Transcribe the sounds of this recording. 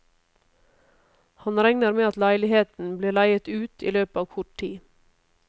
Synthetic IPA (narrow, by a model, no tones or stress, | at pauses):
hɑnɾɛŋnəɾmeːɑt̪læɪlɪheːt̪n̩bliːlæɪət̪ʉːt̪ʰḭːløːpɑːʋkʰʊʈ̚ʈʰiː